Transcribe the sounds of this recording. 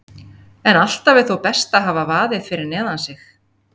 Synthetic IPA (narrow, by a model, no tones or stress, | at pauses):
ɛnal̥t̪avɪðθowpɛst̪aɦaːvavaːðɪðfɪɾɪɾnɛːðansɪx